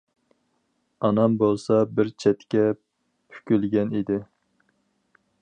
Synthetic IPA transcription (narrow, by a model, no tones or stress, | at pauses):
ɑnɑmbolˠsɑbɪɾt͡ʃʰɛt̪kʲɛ | pʰy̥kʲylɡʲɛnid̪ɪ